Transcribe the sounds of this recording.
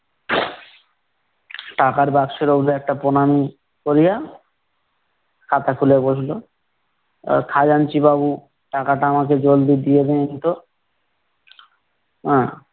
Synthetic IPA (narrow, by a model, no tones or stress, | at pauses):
ʈakaɾbakʃeɾobɾɛk̚ʈaponami | koɾija | kʰat̪akʰuleboʃlo | kʰad͡ʑant͡ɕibaβu | ʈakaʈaamaked͡ʑold̪id̪ijed̪enit̪o | ɦɛ̃